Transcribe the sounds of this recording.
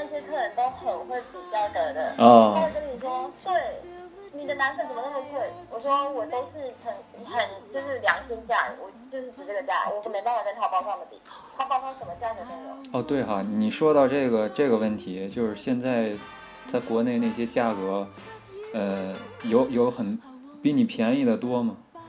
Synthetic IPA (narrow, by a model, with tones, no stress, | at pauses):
n˥˩ɕjɛ˥t̪ʰɤ˥˩ɻə˧˥nt̪o˥ʊt̪ʰo˧˥˧xwə˥˩t͡su˨˧˩t͡ɕjɑ˥ʊkə˨˩d̪ə̰˦ɔ˥˧˥kə˥ni˨˩ʂwɔ˥t̪we˥˩ɪ | ni˨˩d̪ə˦na˧˥nfə˥˩t͡sə˨˩mə˧na˥˩mə˧kwe˥˩ɪwɔ˨˩ʂwɔ˥wɔ˨˩t̪o˥ʊʂɻ̩˥˩t͡sʰə˧˥ŋxə˨˧˥nt͡ɕjo˥˧ʊʂɻ̩˥˩ljɑ˧˥ŋɕi˥nt͡ɕja̰˥˧˩wɔ˨˩t͡ɕjo˥˧ʊʂɻ̩˥˩t͡sɻ̩˨˩ʈ͡ʂɤ˥˩ɡə˩t͡ɕja̰˥˩wɔ˧˥˧me˧˥ɪpa˥˧nwa˨˩a˥˩t̪ʰɑ˨˩ʊpɑ˥˧fɑ˥˧ŋd̪ə˩p̪ḭ˨˩˦ | t̪ʰa˥˩pɑ˥˧fɑ˥˧˩ʂə˧˥nmə˧t͡ɕja˥˩t͡ɕə˥˩t̪ə˧˩jo̰˨˩ɔ˥˧t̪we˥˩ɪxɑ˧˩ni˨˩ʂwɔ˥t̪ɑ˥˧ʊʈ͡ʂɤ˥˩ɡə˩ʈ͡ʂɤ˥˩ɡə˩wə˥˩nt̪ʰi˧˥t͡ɕjo˥˧ʊʂɻ̩˥˧ɕjɛ˥˧nt͡sa˥˩ɪ | t͡sʰa˥˩ɪkwɔ˧˥ne˥˧ɪna˥˩ɪɕjɛ˥t͡ɕja˥˩kɤ˧˥ | ə˥˧jo˧˥ʊjo˧˥ʊxə˨˩n | pi˧˥ni˨˩pʰjɛ˧˥ni˥˩d̪ə˩t̪wɔ˥mɐ˨˩